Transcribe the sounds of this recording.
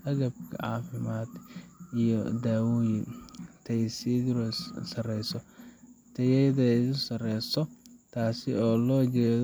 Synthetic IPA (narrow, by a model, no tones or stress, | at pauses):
ʔɐɣɐbkʰɐ̰ʕɑ̰ːfɪmaːd̪ijɔd̪aːwujɪt̪ʰɛjsiːɾssɐrɛjsɔt̪ʰɐjɛðɛʊsɐrɛjsɔt̪ʰaːsɪɔːlɔːt͡ʃɛːð